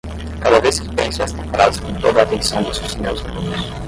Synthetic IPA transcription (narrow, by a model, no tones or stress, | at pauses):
kad̪ɐveskɪ̥pẽsʊɛst̪ɐ̃paɾad̪ʊskõt̪od̪ɐaːt̪ẽsɐ̃w̃d̪ʊsezmewz | unʊs